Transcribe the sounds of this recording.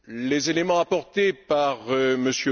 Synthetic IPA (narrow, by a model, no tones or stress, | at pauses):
lezelemɑ̃apɔʁt̪epaʁməsjø